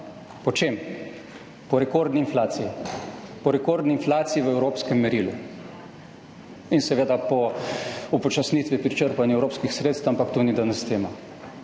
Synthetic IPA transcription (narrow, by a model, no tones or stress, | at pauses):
pɔt͡ʃem | pɔɾɛkoɾd̪niinflaːt̪sijipɔɾɛkoːɾd̪niːnflaːt̪sijiʋəɛwɾoːpskɛmːɛɾilṵ | insɛʋeːd̪apɔ | upɔt͡ʃasniːt̪ʋipɾit͡ʃəɾpanjuɛwɾoːpskixsɾeːt̪st̪wampakt̪unid̪anast̪eːma